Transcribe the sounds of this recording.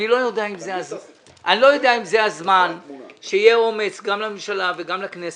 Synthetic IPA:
nilo̞jod̪eaimzeaza | ʔanilo̞jod̪eaimzeazmanʃeijeo̞met͡sɡamlamimʃalaveɡamlaknes

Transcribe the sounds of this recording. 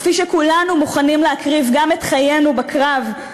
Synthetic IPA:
fiʃekulanumuχanimleakʁivɡamet̪χaje̞nubakʁav

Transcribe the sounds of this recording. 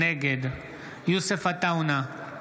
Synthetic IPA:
eɡed̪ | jusəfɐt̪auna

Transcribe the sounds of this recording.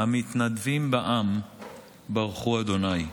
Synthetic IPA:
amit̪nad̪vimbaʔam | baʁχuad̪o̞naj

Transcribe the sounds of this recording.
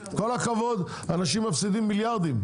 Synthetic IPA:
ko̞lakavo̞d̪ | anaʃimːafsid̪imːiljaʁd̪im

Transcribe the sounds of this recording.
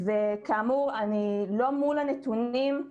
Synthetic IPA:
vekaːmuʁanilo̞mulanet̪unim

